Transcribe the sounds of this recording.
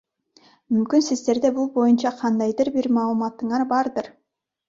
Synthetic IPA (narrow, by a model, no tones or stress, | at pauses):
mymkynsizd̪e̞ɾd̪e̞bulˠbo̞junt͡ʃɑqʰɑnd̪ɑjd̪ɯɾbiɾmɑːlˠumɑt̪ːɯɴɑɾbɑɾd̪ɯɾ